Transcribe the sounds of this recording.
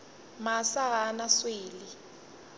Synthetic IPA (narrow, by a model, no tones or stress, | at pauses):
masaɣanasweːli